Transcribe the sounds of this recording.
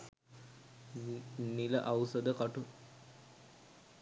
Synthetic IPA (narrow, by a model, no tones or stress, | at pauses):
nːiləʔawsəd̪əkaʈu